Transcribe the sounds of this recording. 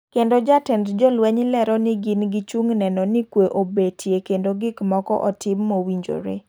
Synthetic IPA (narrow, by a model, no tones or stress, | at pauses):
kendod͡ʒatɛntd͡ʒɔlwɛɲlɛɾɔnɪɡɪnɡit͡ʃuŋnɛnɔnikweʔobetʰjekendoɡɪkmɔkɔ̰ʔɔtʰɪmːowiɲd͡ʒo̰ɾḛ